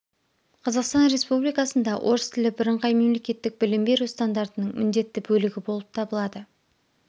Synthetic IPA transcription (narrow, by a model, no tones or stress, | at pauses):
qʰɑzɑqst̪ɑnɾe̞spublijkɑsənd̪ɑwʔo̞ɾəst̪ʰɪlɪbɪɾəɴqɑjme̞mle̞kʲe̞t̪ːɪk̚bɪlɪmbe̞ɾust̪and̪aɾt̪ənəɴmʔɪnd̪e̞t̪ːɪbɵlɪɡʲɪbo̞lˠəp̚t̪ʰɑbəlˠɑd̪ə